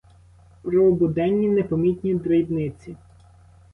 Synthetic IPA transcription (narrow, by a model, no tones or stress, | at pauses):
pɾɔːbʊd̪ɛnʲːinɛpɔmʲit̪ʲnʲid̪ɾɪjibnɪt͡sʲi